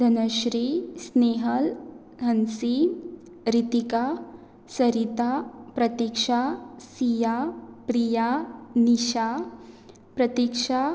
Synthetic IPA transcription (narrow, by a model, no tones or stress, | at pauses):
d̪ʱɐnɐʃɾisneːɦɐl | ɦɐnsi | ɾit̪ika | sɐɾit̪apɾɐt̪ikʂasijapɾijaniʃa | pɾɐt̪ikʂa